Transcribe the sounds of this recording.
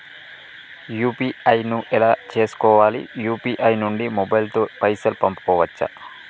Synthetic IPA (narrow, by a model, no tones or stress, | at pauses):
juːpiːɐjnuʔɛlaːt͡ʃe̞ːsu̥kɔːʋaːlḭjuːpiːʔɐjnuɳɖimɔbɐjlt̪oːpɐjsɐlpɐmpu̥kɔːʋɐt͡ʃːɐ̰